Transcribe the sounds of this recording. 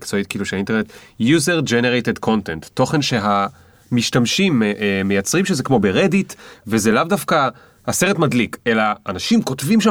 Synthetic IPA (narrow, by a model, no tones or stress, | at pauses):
kt͡so̞it̚kiluʃeaintenetjuzeʁd͡ʒeneʁetedkʰo̞ntentːo̞χe̞nʃe̞ɦa | miʃtamʃimmejat͡sʁimʃezekmo̞beʁeditvezelavdafka | haseʁetmadlike̞laːnaʃimko̞tvimʃa